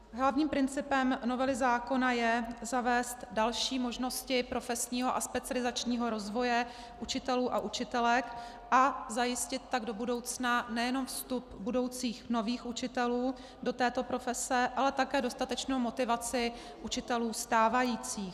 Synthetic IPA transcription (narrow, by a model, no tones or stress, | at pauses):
ɦlavɲiːmpɾɪnt͡sɪpɛmno̞vɛlɪzaːko̞najɛzavɛːst̪dalʃiːmo̞ʒno̞scɪpɾo̞fɛsɲiːɦo̞ʔa̰spɛt͡sɪalɪzat͡ʃɲiːɦo̞ɾo̞zvo̞jɛ | ʔut͡ʃɪt̪ɛluːʔaʔut͡ʃɪt̪ɛlɛk | ʔazajɪscɪt̪̚ːaɡdo̞budo̞wt͡snanɛjɛno̞mfst̪up̚budo̞wt͡siːxno̞viːxʔut͡ʃɪt̪ɛluː | do̞t̪ɛːt̪o̞pɾo̞fɛsɛʔalɛt̪akɛːdo̞st̪at̪ɛt͡ʃnowmot̪ɪvat͡sɪ | ʔut͡ʃɪt̪ɛluːst̪aːvajiːt͡siːx